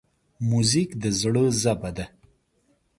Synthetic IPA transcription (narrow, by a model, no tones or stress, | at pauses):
muzikd̪əzɽəzabad̪a